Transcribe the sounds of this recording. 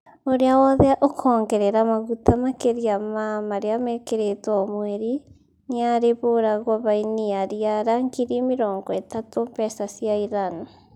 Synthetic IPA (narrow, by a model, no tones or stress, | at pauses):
oɾeawɔðɛaʔokʰɔːŋɡɛɾɛɾamaɣutʰamakeɾiamamaɾeamɛkeɾetɔmwɛɾi | neaɾeβoɾaɣwaβainiaɾiaɾaŋɡiɾimiɾɔːŋɡɔɛtatompɛsasjaiɾan